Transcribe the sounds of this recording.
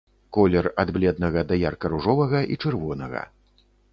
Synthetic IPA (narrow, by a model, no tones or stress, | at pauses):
kɔlʲɛrad̪blʲɛd̪̚nɐɣɐd̪ɐjarkɐɾuʐɔvɐɣɐʔit͡ʂɨrvɔnɐɣɐ̰